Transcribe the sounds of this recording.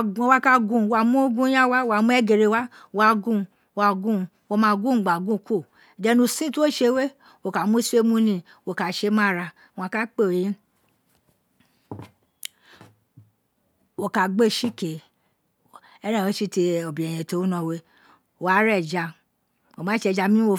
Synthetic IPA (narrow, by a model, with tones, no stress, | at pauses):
o˧˦wa˦ka˦ɡũ˦˨wo˧a˧mũ˦ɡũ˦jã˦wa˦a˧mũ˦ɛ˦ɡe˨ɾe˧˨wa˦˧ | wa˧ɡũ˦˧ | a˧ɡũ˦ | wo˧mãː˧ɡũ˦˨ŋ͡mɡ͡ba˨ɡũ˦˨ku˦˨ | i˨dɛ˧˦nũ˧˨sĩ˦tu˦o˦ʃe˧˦we˦ | wo˧ka˨˦mũ˦se˦mũ˧˦nĩ˧ | wo˧˨ka˧˨ʃe˧˦mã˦˨ɾa˧ | w̃ã˧ka˦k͡pe˦o˨jĩ˦ | wo˧ka˨ɡ͡be˦˨ʃi˦ke˨ | ɛ˦ɾã˦˨e˨˦ʃi˦te˧o˨bĩ˨ɛ˨j̃ɛ̃˨to˨˦nã˧˨we˦ | o˨wa˨˦ɾɛ˦˨d͡ʒa˧ | wo˨mã˨˦ʃe˧d͡ʒa˧mĩ˦o˧